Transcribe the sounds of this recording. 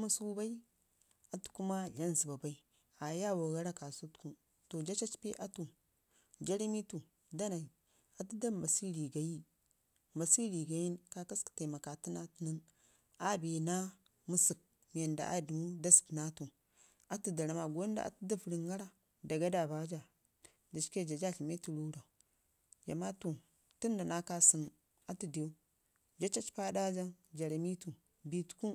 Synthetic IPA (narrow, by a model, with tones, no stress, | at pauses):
mu˦su˦ba˦i˦ | a˨tu̥˨ku˦ma˦ɮa˦nzi˨ba˨ba˦i˦ | a˨ja˦˨wa˨ɣa˦ɾa˦ka˨su˦tku˦ | to˨d͡ʒa˦t͡ʃa˦t͡ʃpe˦ʔa˦tu˨ | d͡ʒa˦ɾe˦mi˦tu˨ | da˦na˨ | a˨tu˦da˦˨ma˨si˦li˨ɡa˨ji˦ | ma˨si˦li˨ɡa˨ji˦nka˦ka˦ski̥˨ta˨ma˨ka˨ti˦na˦tnə˦n | a˦be˨na˦ | mu˦sə˨k̚ | m˨e˨nda̰˨ʔa̰˦du˨mu˦da˦si̥˨kna˦tu˨ | a˦tu˦da˨ɾa˨ma˨ɡo˦nda̰˦˨ʔa̰˨tu˦da˦fɾi˨ŋɡa˦ɾa˦ | da˨ɡa˦da˨ba˦d͡ʒa˨ | d͡ʒa˨t͡ʃke˦˨d͡ʒa˨d͡ʒa˦˨ɬi˨me˦tu˦˨ɾu˦ɾa˨ | ja̰˨ma˦tu˦˨ | tu˦nda˨na˦ka˦sə˦n | a˦tu˦de˨u˦ | d͡ʒa˦t͡ʃa˦t͡ʃpa˦da˦d͡ʒa˦d͡ʒa˨ɾa˨mi˦tu˨ | bi˨tku˦